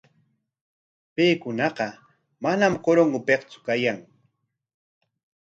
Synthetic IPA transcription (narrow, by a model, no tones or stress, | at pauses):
pejkʊnɑqɑ | manamkoɾoŋɡʊpeqt͡sʊ̥kajaŋ